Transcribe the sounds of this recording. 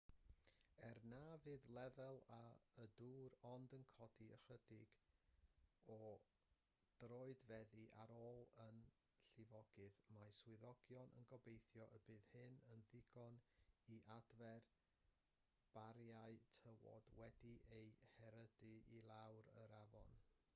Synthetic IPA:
ɛrnaːvɨːðlˠɛvɛlˠaəduːɾɔndənkʰɔdiə̰χədɪɡ | ɔ | d̥roːɨdvɛðiʔaɾoːlˠən | ɬɪvɔɡ̥ɨðmajswɪðɔɡjɔnʔə̰nɡɔbejθjɔʔəbɨːð̥hɨnənðɪɡɔniʔadvɛr | b̥aɾjaɨtʰəwɔ̰d̥wɛdiʔejhɛɾədɨilˠawɾəɾavɔ̰n

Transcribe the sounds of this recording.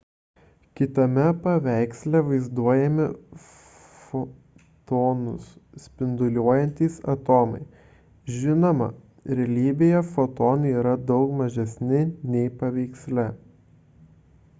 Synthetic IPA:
kʲɪt̪ɐmʲɛpɐʋʲæˑɪksʲlʲɛʋɐɪzd̪uɔjɛmʲɪ | fo | t̪oːnʊ̰ssʲpʲɪnd̪ʊlʲuɔjɛnʲt̪ʲiːsɐ̰t̪oːmɐ̰ɪ | ʒʲɪnomɐ̰ | ɾʲɛlʲiːbʲɪjɛfot̪oːnɐiːɾɐd̪ɒʊkmɐʒʲɛsʲnʲɪnʲɛɪpɐʋʲɛɪksʲlʲɛ

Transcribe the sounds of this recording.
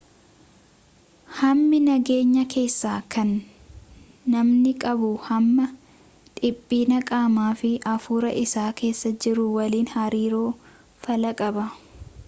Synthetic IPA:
hɐmːɪnɐɡe̞ːɲːɐkʰe̞ːsːaːkʰɐn | ɐmnɪkʼɐbʊhɐmːɐ | ᶑ̪ʼɪbʼːiːnɐkʼaːmaːfɪʔɐfuːɾɐʔɪsaːke̞ːsːɐd͡ʒɪɾʊwɐliːnhɐɾiːɾoː | fɐlɐkʼɐbɐ

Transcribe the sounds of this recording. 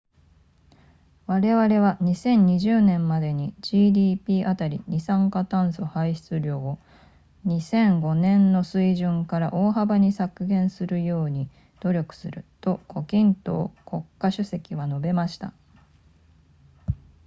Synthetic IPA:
βaɾe̞βaɾe̞βaɲ̟isẽ̞ɲɲːiʑɨːnẽ̞mːad̪e̞ɲ̟id͡ʑiːd̪ʲiːpʲiːʔat̪aɾʲḭɲisãŋkat̪ãɰ̃so̞haiɕi̥t͡sɨɾʲo̞ː | ɲ̟isẽ̞ŋɡo̞nẽ̞nːo̞sɨiʑɨ̃ŋkaɾaʔo̞ːɦabaɲ̟isakɯ̟ɡẽ̞ɰ̃sɨɾɯ̟jo̞ːɲ̟i | d̪̥o̞ɾʲo̞kɯ̟̥sɨɾɯ̟t̪o̞ko̞kʲĩnt̪o̞̰ːko̞kːaɕɨse̞kʲiβano̞be̞maɕi̥t̪a̰

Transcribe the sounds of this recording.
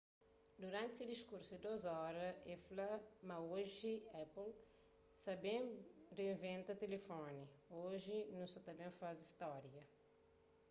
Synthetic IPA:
d̪uɾãnt̪sed̪iʃkuɾsuid̪ozɔɾɐɛflɐmɐoʒiɛpl | sɐbẽreĩvẽnt̪ɐt̪elefɔnioʒɪnũsɐt̪ɐbẽj̃faziʃt̪ɔɾjɐ

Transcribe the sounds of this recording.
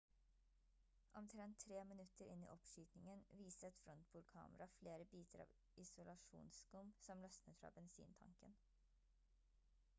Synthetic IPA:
ʔɔmt̪ʰɾɛnt̪ʰːɾeːmɪnʉt̪əɾɪnːḭːʔɔpʃyːt̪nɪŋənʋiːsət̪fɾɔnt̪buːɾkʰɑ̰ːməɾɑfleːɾəbiːt̪ʰəɾɑ̰ːʋ | ɪsʊlɑʂṵːnskʊmsɔmlœsnət̪fɾɑ̰ːbɛnsḭːnt̪ʰɑ̰ŋkən

